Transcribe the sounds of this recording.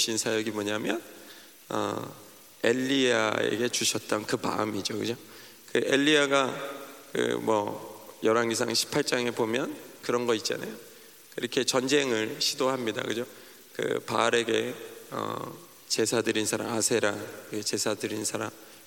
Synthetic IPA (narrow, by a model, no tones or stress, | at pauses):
ɕʰinsʰajʌɡimoɲamjʌ̰n | ʌ̰ | e̞ʎːiaḛɡe̞t͡ɕuɕʰʌt̚t͈ʌnkɯma̰ɯmid͡ʑokɯd͡ʑo | kɯʔe̞ʎːiaɡakɯ̰mwʌjʌɾaŋɡis̬ʰaŋɕʰi̥pʰaɭt͡ɕ͈aŋe̞pomjʌnkɯɾʌnɡʌit̚t͡ɕ͈a̰na̰jo | iɾʌkʰe̞t͡ɕʌnd͡ʑe̞ŋɯɭɕʰidoɦamɲida̰kɯd͡ʑo | kɯ̰paɾe̞ɡe̞ʌ̰ | t͡ɕe̞sʰadɯɾinsʰaɾa̰masʰe̞ɾaŋɡet͡ɕe̞sʰadɯɾinsʰaɾa̰m